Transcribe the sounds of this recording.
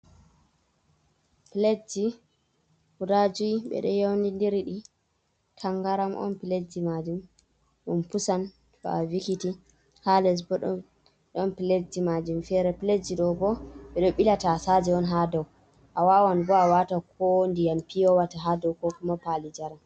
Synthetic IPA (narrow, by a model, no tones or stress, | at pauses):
piled͡ʒi | huɾad͡ʒuiɓɛ̰ɗɔ̰jawndindiɾiɗi | tʰaŋɡaɾamʔɔ̰npiled͡ʒimad͡ʒum | ʔunpusan | bɔ̰avikiti | halɛs̬bɔɗɔ | ɗɔnpiled͡ʒimad͡ʒumfɛɾɛpiled͡ʒiɗɔbɔɓɛɗɔɓilatasad͡ʒɛɔnɦadaw | ʔawawanbɔawatakɔndijampijɔwataɦadɔwkɔkumapalid͡ʒaɾam